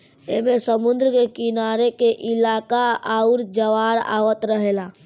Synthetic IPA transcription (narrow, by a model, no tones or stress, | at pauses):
eɦmesəmund̪ɾəkekinaɾekeʔilakaauɾd͡ʒəʋaɾa̰ʋət̪ɾəɦela